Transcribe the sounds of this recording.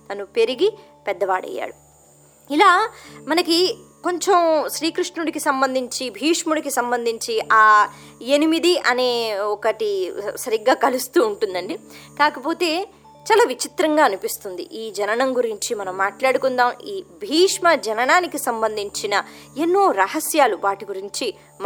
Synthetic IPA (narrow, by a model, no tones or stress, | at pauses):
t̪ɐnupe̞ɾiɡi | pɛd̪ːɐʋa̰ːɽɐ̰jːa̰ːɽu | ilaːmɐnɐki | ko̞ɲt͡ʃemʃɾiːkɾiʂʈnuɽikisɐmbɐnd̪ʱiɲt͡ʃibʱiːʂmuɽikisɐmbɐnd̪ʱiɲt͡ʃiʔaː | enimid̪iʔɐne̞ːɔkɐʈisɐɾiɡːaːkɐlust̪uːɳʈund̪ɐɳɖikaːkɐpo̞ːt̪e̞ː | t͡ʃaːlaːʋit͡ʃit̪ɾɐŋɡaːnupist̪und̪ḭʔiːd͡ʒɐnɐnɐmɡuɾiɲt͡ʃimɐnɐmːaːʈlaːɽukund̪aːmiːbʱiːʂmɐd͡ʒɐnɐnaːnikisɐmbɐnd̪ʱiɲt͡ʃinɐ | e̞nːoːɾɐɦɐsjaːluʋaːʈiɡuɾiɲt͡ʃi | m